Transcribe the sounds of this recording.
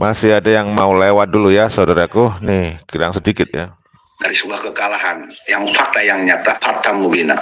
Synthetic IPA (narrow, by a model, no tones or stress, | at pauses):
masɪhadajaŋmaulewat̪̚dulujasaudaɾakunɪhkiɾaŋsədikɪt̪̚ja̰ | daɾisəbuahkəkalahanjaŋfak̚t̪ajaŋɲat̪afat̪amːubina̰